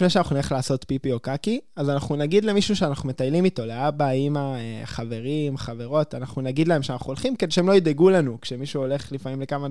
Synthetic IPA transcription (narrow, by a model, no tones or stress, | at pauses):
ifneʃeanaχunaχlaːso̞t̪pipio̞kakiazanaχnunaɡid̪le̞miʃuʃeanaχnume̞t̪ajlimit̪o̞leabaimaeχave̞ʁimχave̞ʁo̞tanaχnunaɡid̪lae̞mʃeanaχuolχimkedeʃeemloid̪eɡulanukʃe̞miʃuo̞le̞χlifamimlekama